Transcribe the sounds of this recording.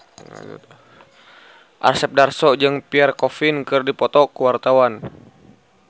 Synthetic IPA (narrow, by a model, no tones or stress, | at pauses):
ʔa̰rsɛp̚darsɔd͡ʒɨŋpiarkɔfinkɨrdipɔt̪ɔkəwart̪awan